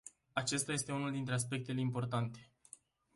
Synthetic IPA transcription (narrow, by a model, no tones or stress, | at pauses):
at͡ʃest̪aje̞st̪e̞unuld̪int̪ɾe̞as̬pe̞k̚t̪e̞leimpo̞rt̪ant̪e̞̥